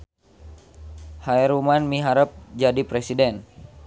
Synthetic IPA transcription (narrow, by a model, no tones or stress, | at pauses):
haɛɾumanmiɦaɾəp̚d͡ʒadipɾɛsidɛn